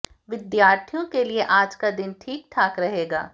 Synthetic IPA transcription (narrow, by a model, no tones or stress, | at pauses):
ʋɪd̪jaːɾt̪ʰijõkelieʔaːd͡ʒkad̪ɪnʈʰiːk̚ʈ̪ʰaːkɾɐɦeːɡa̰ː